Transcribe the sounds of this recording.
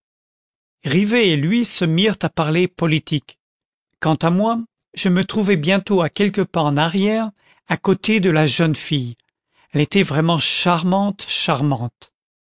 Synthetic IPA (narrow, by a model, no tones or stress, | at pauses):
ʁiveːlɥisəmiʁt̪apaʁlepɔlit̪ʰikː | ɑ̃t̪amwa | ʒəmət̪χuvɛbjɛ̃t̪oakʲɛlkəpaɑ̃naʁjɛʁ | akot̪ed̪əlaʒənfij | ɛlet̪ɛvʁɛmɑ̃ʃaʁmɑ̃t̪ʃaʁmɑ̃t̪